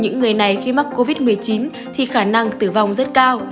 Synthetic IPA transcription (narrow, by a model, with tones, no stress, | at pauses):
ɲɨ̰˧˥ŋːɨ˨˩əjna˨˩jxi˧ma˦˥k̚kːo˧vi˦˥t̚mɨ˨˩əjt͡ɕi˨˦n | t̪ʰi˨˩xaː˧˩na˧ŋt̪ɨ˧˩va˨˩wŋ͡mzə˦˥t̚kaː˧w